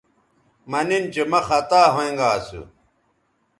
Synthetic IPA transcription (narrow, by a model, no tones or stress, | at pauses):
mɐnint͡ɕemɐxɐt̪aːɦoẽŋɡaːsṵ